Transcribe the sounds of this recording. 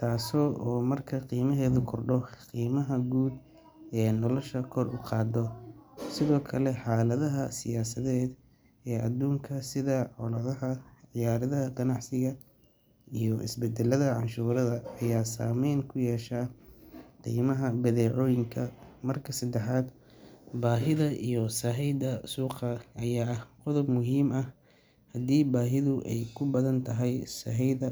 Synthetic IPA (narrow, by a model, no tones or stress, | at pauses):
t̪ʰaːsɔʔɔːmɐrkʰɐqiːmɐɦɛːðʊkʰɔrɖɔqiːmɐɦɐɡuːd̪ | ɛːnɔlɔʃɐkʰɔrʊqɑːd̪ɔsɪðɔːkʰɐlɛħaːlɐðɐɦɐsɪjaːsɐðɛːd̪ | ɛːʔɐ̰d̪uːŋkʰɐsɪðɐʕɔlɐðɐɐʕɪjaːɾɐðɐɦɐqɐnɑʕsɪɣɐ | ijɔʔɪ̰sbɛd̪ɛlɐðɐʕɑnʃuːɾɐðɐɐjaːsa̰ːmɛjnkʰʊjɛːʃaː | qḭːjmɐɦɐbɐðɛːʕɔːjɪŋkʰɐmɐrkʰɐsɐd̪ɛħaːd̪ | baːɦɪðɐʔijɔsɐɦɛjd̪ɐsuːqɐʔɐjaːɐhqɔðɔbmʊɦiːmɐh | hɐd̪iːbaːɦɪðʊʔɛ̰jkʰʊbɐðɐnt̪ʰɐɦɛjsɐɦɛjðɐ